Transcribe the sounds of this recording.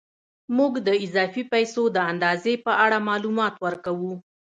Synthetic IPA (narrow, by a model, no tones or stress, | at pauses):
muɡd̪əɪzɑfipajsod̪əand̪ɑzepəʔaɽamɑlumɑt̪wəɾkawu